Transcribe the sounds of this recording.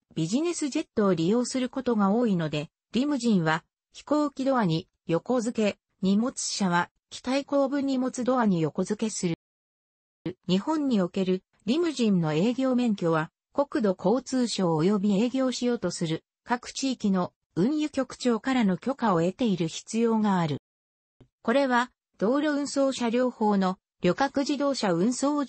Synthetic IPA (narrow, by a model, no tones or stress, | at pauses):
b̥ʲiʑine̞sɨʑe̞t̪ːo̞ːɾʲijo̞ːsɨɾɯ̟ko̞t̪o̞ɡao̞ːino̞d̪e̞ | ɾʲimɯ̟ʑĩɰ̃βa | çi̥ko̞ːkʲid̪o̞βaɲ̟i | jo̞ko̞zɨke̞ | ɲ̟imo̞t͡sɨ̥ɕaβ̞a | kʲi̥t̪aiko̞ːbɯ̟ɲ̟ːimo̞t͡sɨd̪o̞aɲ̟ijo̞ko̞zɨke̞sɨɾɯ̟ | ɲ̟ihõ̞ɲ̟ːio̞ke̞ɾɯ̟ | ɾʲimɯ̟ʑĩnːo̞e̞ːɡʲo̞ːmẽ̞ŋkʲo̞βa | ko̞kɯ̟d̪o̞kʰo̞ːt͡sɨːɕo̞ːjo̞bʲie̞ːɡʲo̞ːɕijo̞ːt̪o̞sɨɾɯ̟ | kakɯ̟̥t͡ɕiːkʲino̞ | ɯ̟̃ɰjɯ̟kʲo̞kɯ̟̥t͡ɕo̞ːkaɾano̞kʲo̞kao̞e̞t̪e̞iɾɯ̟çi̥t͡sɨjo̞ːŋaːɾɯ̟ | ko̞ɾe̞βa | d̪̥o̞ːɾʲjo̞ɯ̟̃ɰ̃so̞ːɕaɾʲo̞ːho̞ːno̞ | ɾʲo̞kakɯ̟ʑid̪o̞ːɕaɯ̟̃ɰ̃so̞ː